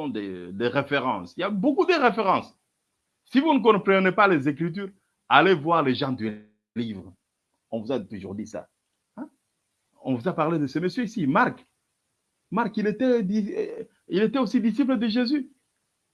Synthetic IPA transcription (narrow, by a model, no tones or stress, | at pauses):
ɔ̃d̪əd̪eʁefeʁɑ̰̃siljabokud̪əʁefeʁɑ̃s | sivunək̬ɔ̃pχənepalezekχit̪̬yʁ | alevwaʁleʒɑ̃d̪y | livʁ | ɔ̃vuzat̪uʒṵʁd̪isa̰ | ɛ̃ | ɔ̰̃vuzapaʁled̪əsəməsjøisimaʁk | maʁkilet̪ɛd̪i | ilet̪ɛosid̪isip̬ləd̪əʒezy